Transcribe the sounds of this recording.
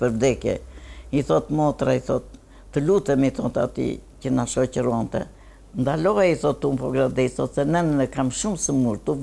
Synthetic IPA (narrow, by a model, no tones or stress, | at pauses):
pəɾvd̪ɛkjɛ̰iθɔt̪mɔt̪ɾaiθɔt̪ː | əlut̪ɛmiθɔt̪a̰t̪ḭcənaʃɔcəɾuɔnt̪ɛ̰ | nd̪alɔaiθɔt̪ːumpɔɡɾad̪ɛiθɔt̪sɛnɛnənəkamʃumsəmuɾt̪u